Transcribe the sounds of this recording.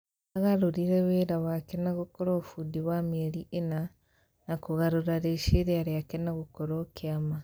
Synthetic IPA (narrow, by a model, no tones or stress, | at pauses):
aɣaɾoɾiɾɛweːɾawakenaɣokoɾɔfudiβameɾiʔena | nakoɣaɾoɾaɾeʃeɾeaɾeakenaɣokoɾokeama